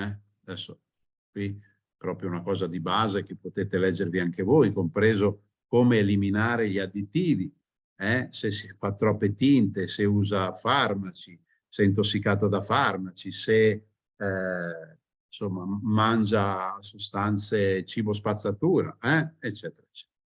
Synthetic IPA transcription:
ɛ | ad̪ɛsːo | kwi | pɾɔpɾjounakɔːzad̪ibaːzek̟epːot̪eːt̪elɛd͡ʒːerviaŋkevojkompɾeːzo | koːmeːliminaːɾeʎiad̪it̪ːiːvi | ɛsesifat̪ːɾɔpːet̪int̪eseuːzafarmat͡ʃi | sɛint̪̬osːikaːt̪̬od̪afarmat͡ʃise | ɛ | nsomːamand͡ʒasost̪ant̪set͡ʃiːbos̬pat̪sːat̪uːɾa̰ɛet͡ʃːɛt̪eɾaet͡ʃːɛ̥t̪ɾa

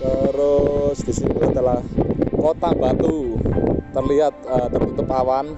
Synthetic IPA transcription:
t̪əɾʊsd̪̥isit̪uad̥̪a̤lahkot̪abat̪u | t̪ːərliɦat̪̚ət̪ərint̪upawan

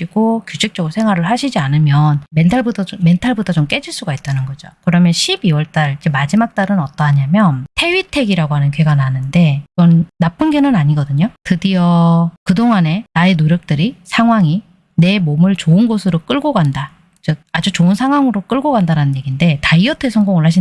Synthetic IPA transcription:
iɡokjud͡ʑʰek̚t͡ɕ͈ʌɡɯɾosʰe̞ŋɦwaɾɯɭhaɕʰid͡ʑianɯmjʌnme̞ntʰaɭbutʰʌme̞ntʰaɭbutʰʌt͡ɕomk͈e̞d͡ʑiɭs͈uɡait̚t͈anɯnɡʌd͡ʑokɯɾʌmjʌnɕʰibiwʌɭt͈aɭid͡ʑemad͡ʑimak̚t͈aɾɯnʌt͈ʌɦaɲamjʌntʰe̞ɥitʰe̞ɡiɾaɡoɦanɯnke̞ɡananɯnde̞iɡʌnːap͈ɯnɡe̞nɯnaɲiɡʌdɯɲotɯdiʌkɯdoŋɦane̞naenoɾjʌk̚t͈ɯɾisʰaŋɦwaŋi | ne̞momɯɭt͡ɕoɯnɡosʰɯɾok͈ɯɭɡoɡanda | d͡ʑʌad͡ʑut͡ɕoɯnsʰaŋɦwaŋɯɾok͈ɯɭɡoɡandaɾanɯnje̞ɡinde̞taiʌtʰe̞sʰʌŋɡoŋɯɭɦaɕʰi

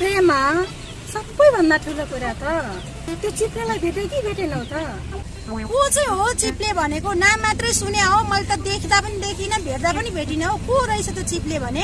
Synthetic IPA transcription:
prema | sʌbːʌjbʱʌnd̪aʈʰulokuɾat̪ʌ | t̪jot͡siplelajbʱeʈʌkibʱeʈenʌ̃t̪ʌ | kot͡sʌj̃ɦot͡siplebʱʌnekonamːat̪rʌjsuneaomʌlt̪ʌd̪ekʰd̪apʌnid̪ekʰinʌbʱerd̪apʌnibʱeʈinʌɦõkoɾʌjt͡sʰʌt̪jot͡siplebʱʌne

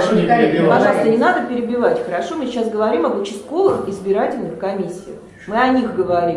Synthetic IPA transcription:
pɐʐɑlˠst̪ənʲɪnad̪əpʲɪɾʲɪbʲɪvatʲxəɾɐʂo̞mɨt͡ɕasɡəvɐɾʲimɐbət͡ɕɪs̚ko̞lˠəxɪzbʲɪɾatʲɪlʲnɨxkɐmʲisʲːɪjɪ | mɨɐnʲixɡəvɐɾʲi

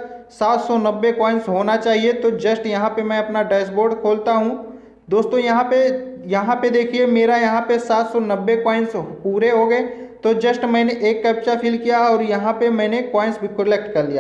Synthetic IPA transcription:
saːt̪sɔnɐbːekɔːɪnsɦoːnat͡ʃaːɦiet̪od͡ʒɐsʈjɐɦãpemɛ̃ɐpnaɖeːsboːɾɖkʰoːlt̪aɦũ | d̪oːst̪õjɐɦãpejɐɦãped̪eːkʰiemeːɾajɐɦãpesaːt̪sɔnɐbːekɔːɪnspuːɾeɦoɡɐet̪od͡ʒɐsʈmɛ̃ːneʔeːkːɛːpʃapʰiːlkijaɔːɾjɐɦãpemɛ̃ːnekɔːɪnsbʱikʊlɛk̚ʈkɐɾlija̰ː

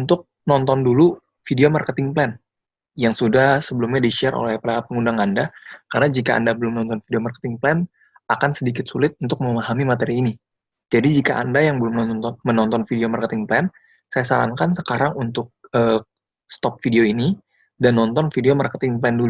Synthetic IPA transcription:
unt̪ʊk̚nɔnt̪ɔndulu | fideomarkət̪ɪŋplɛn | jaŋsudahsəbəlumɲadiʃiarʔo̰lɛhpapəŋundaŋandakarənad͡ʒikaʔa̰ndabəlʊmnɔnt̪ɔnfideomarkə̥t̪ɪŋplɛn | akansədik̬ɪt̪sulɪt̪̚unt̪ʊk̚məmaɦamimat̪eɾiːni | d͡ʒadid͡ʒikaʔandajaŋbəlʊmnɔnnt̪ɔnmənɔnt̪ɔnfideomarkət̪ɪŋplɛn | sajasaɾa̰ŋkansəkaɾaŋunt̪ʊk̚əː | st̪ɔp̚fideoini | danːɔnt̪ɔnfideomarkət̪ɪŋplɛndulu

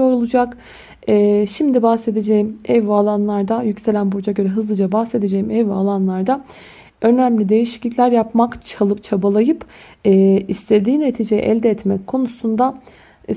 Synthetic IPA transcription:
o̞ɾulˠud͡ʒak | ɛːʃimd̪ibahse̞d̪e̞d͡ʒe̞jimɛvalˠanlˠaɾd̪ajycse̞lʲænbud͡ʒaɟø̞ɾɛɦɯzlˠɯd͡ʒabahse̞d̪e̞d͡ʒejimɛvalˠanlˠaɾd̪a | ø̞næmlʲid̪e̞jiʃi̥clʲiclʲæɾjapmakt͡ʃʰalˠɯpt͡ʃʰabalˠajɯp | ɛːist̪ʰe̞d̪iːne̞t̪ʰiːd͡ʒe̞jɛ̰ʔɛlʲd̪ɛːt̪mɛckʰo̞nusund̪a

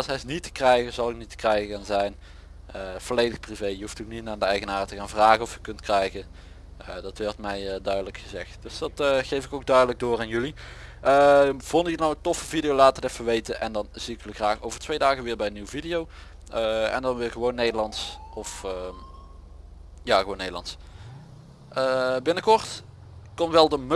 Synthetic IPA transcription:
sɦɛjsnitə̥krɛjɣəzɑlˠɪk̚nitə̥krɛjɣəɣaːnzɛjn | əv̥ɔlejdəxprivejjəɦuftokninaːndəɛjɣənaːrtəɣaːnvraːɣənɔfjəkɵntkrɛjɣə | ədɑtʋɛrtmɛjdœɥdələkxəzɛxtd̥ɵsd̥ɑtɣejvɪkowɡ̚dœɥdələɡ̚dʊːraːnjʉli | əvɔndjənɔwəntɔfəvidijowlaːtərdɛfəʋejtəʔɛndɑnz̥iɪkjəlixraːxowvərtʋejdaːɣəʋɪːɹbɛjənːiwəvidijow | əɛ̰ndɑnʋɪːɣəʋonːejdəlɑntsɔf | jaːɣoːnːejdəlˠɑ̰nts | əbɪnəkɔɹt | kɔnʋɛlˠdəm

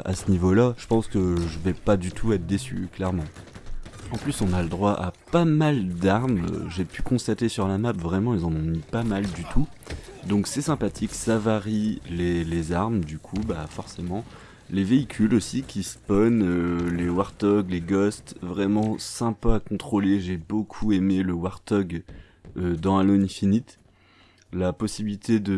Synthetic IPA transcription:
a̰sənivolaʒ̥əpɑ̃skəʒəvɛpad̪yt̪ʰuɛt̪χd̪esy̰klɛʁmɑ̃ | ɑ̃plysɔ̃naləd̪ʁwaʔapamald̪aʁm̰ʒepykɔ̃st̪at̪esyʁlamapvʁɛmɑ̃ilzɑ̃nɔ̃mipamald̪yt̪ʰud̪ɔ̃ksɛsɛ̃pat̪ʰiksavaʁilelezaʁmd̪ykʰubafɔʁsemɑ̃ | leveikʲʰylosikʲispɔnølewaʁt̪ɔɡleɡɔst̪vʁɛmɑ̃sɛ̃paːkɔ̃t̪χoleʒebokʰuemeləwaʁt̪ɔɡ | ød̪ɑ̃alonɛ̃finit̪ | lapɔsibilit̪ʰed̪ə

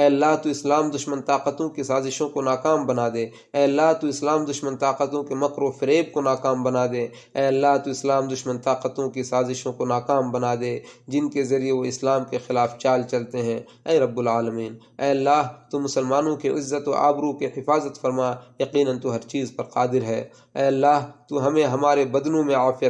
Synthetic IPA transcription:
ɛːɐlːaːɦt̪uɪslaːmd̪ʊʃmənt̪aːqət̪õkisaːzɪʃõkonaːkaːmbɐnad̪eː | ɛːɐlːaːɦt̪uɪslaːmd̪ʊʃmənt̪aːqət̪õkemɐkɾofɪɾeːb̚konaːkaːmbɐnad̪eː | ɛːɐlːaːɦt̪uɪslaːmd̪ʊʃmənt̪aːqət̪õkisaːzɪʃõkonaːkaːmbɐnad̪eːd͡ʒɪnkezɐɾieʋoɪslaːmkexɪlaːft͡ʃaːlt͡ʃɐlt̪eɦɛ̃ː | ɛːɾɐbːʊlaːləmiːn | ɛːɐlːaːɦt̪umʊsəlmaːnõkiɪzːət̪o̰ʔa̰ːbɾukihɪfaːzət̪fɐɾmajɐqiːnənt̪uɦɐɾt͡ʃiːzpɐɾqaːd̪ɪɾɦɛː | ɛːɐlːaːɦt̪uɦɐmẽɦɐmaːɾebɐd̪nõmẽaːfɪjə

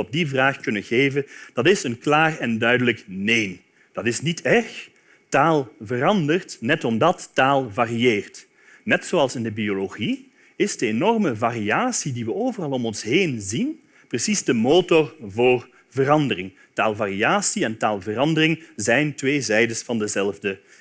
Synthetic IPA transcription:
ɔb̚divraːxkɵnənɣeːvənd̥ɑtɪsənklaːrɛndœɥdələkneːn | d̥ɑtɪsnitʰɛrx | taːlˠvərɑndərtnɛtɔmdɑtːaːlˠvaːrieːrt | nɛtsoːɑlˠsɪndəbioloɣi | ɪzdəenɔrməvariaːsidiʋəoːvərɑlˠɔmɔnsɦejnzin | prəsizdəmoːtɔrvoːr | vərɑndərɪŋ | taːlˠvariaːsiɛntaːlˠvərɑndərɪŋzɛjntʋeːzɛjdəsfɑndəzɛlˠvdə

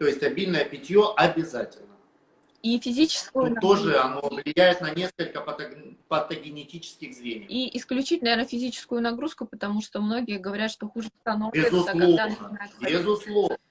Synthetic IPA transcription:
t̪o̞jɪsʲt̪ʲɐbʲilʲnəjəpʲɪtʲjoʔɐbʲɪzatʲɪlʲnə | ifʲɪzʲit͡ɕɪ̥skʊjʊt̪oʐɨɐnovlʲɪjæjɪt̪nɐnʲe̞skəlʲkəpət̪pət̪əɡʲɪnʲɪtʲit͡ɕɪ̥skʲɪxzvʲenʲɪjiʔɪsklʲʉt͡ɕit̚ʲnɐvʲenəfʲɪzʲit͡ɕɪ̥skʊjʊnɐɡɾuskʊpət̪ɐmuʂt̪omno̞ɡʲɪjəɡəvɐɾʲat̪ʂt̪oxuʐɨst̪ɐnoɪɪzʊslˠɡoananabʲɪzʊslˠov

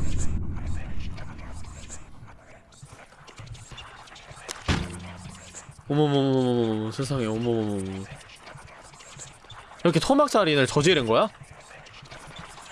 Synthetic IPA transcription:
omomomomomomomosʰesʰaŋeomomomommo | iɾʌkʰetʰomak̚s͈aɾinɯɭt͡ɕʌd͡ʑeɾɯnɡʌja

